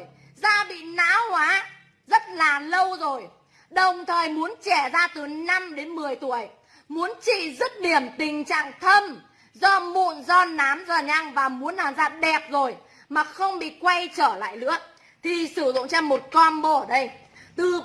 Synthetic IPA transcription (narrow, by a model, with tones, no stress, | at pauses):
j | zaː˧ɓḭ˧˨na̰ː˧˥whwaː˨˦ | zə˦˥t̚laː˨˩lə˧wzo˨˩j | ɗə˨˩wŋ͡mt̪ʰəː˨˩jmu˨˦ənt͡ɕɛ˧˩zaː˧t̪ɨ˨˩na˧mɗe˨˦nmɨ˨˩əjt̪u˧˩əj | mu˨˦ənt͡ɕḭ˧˨zɨ˦˥t̚ɗi˧˩əmt̪ï˨˩ŋ̟t͡ɕa̰ː˧˨ŋt̪ʰə˧m | zɔ˧mṵ˧˨ənzɔ˧naː˨˦mzaː˨˩ɲa˧ŋvaː˨˩mu˨˦ənlaː˨˩mzaː˧ɗɛ˨˩p̚zo˨˩j | maː˨˩xə˧wŋ͡mɓḭ˧˨kwa˧jt͡ɕəː˧˩la̰ː˧˨jlɨ̰˧˥ə | t̪ʰi˨˩sɨ˧˩zʊ̰˧˨ŋ͡mt͡ɕɛ˧mːo˨˩t̚kɔ˧nɓo˧˩ɗə˧j | t̪ɨ˨˩